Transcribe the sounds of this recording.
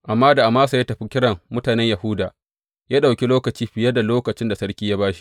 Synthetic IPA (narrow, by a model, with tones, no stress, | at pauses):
ʔa˨mːaː˦da˨ʔa˨maː˦sa˨ja˦tɐ˨ɸi˦kʲɪ˦ɽɐ˨ŋmʊ˦taː˨nɛ˦ɲja˨hʊ˦daː˨ | jaː˦ɗa˨wkʲi˦loː˦kɐ˨t͡ʃiː˦ɸɪ˨jɐ˦da˨loː˦kɐ˨t͡ʃɪ˦nda˨sɐ˦ɽkʲiː˦jaː˦baː˦ʃi̥˨˦ʔ